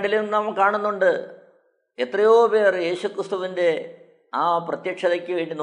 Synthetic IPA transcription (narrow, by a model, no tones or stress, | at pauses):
ɳɖilunɐmɐkkːaːɳunːuɳɖɨ | et̪rɐjo̞ːpe̞ːrje̞ːɕukrɨst̪uʋinde̞ | aːprɐt̪jɐkʂɐðɐkʲːɨʋe̞ːɳɖin